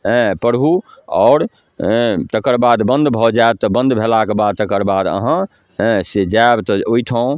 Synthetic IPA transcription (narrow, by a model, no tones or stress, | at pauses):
ɦɛ̃pəɾbʱuɔːɾ̃ | t̪əkəɾbad̪bə̃nd̪bʱɔd͡ʒaeb̚t̪ɔbə̃nd̪bʱelakebad̪̚t̪əkəɾbad̪ə̰ɦə̃ | ɦsed͡ʒaebt̪ɔoit̪ʰə̃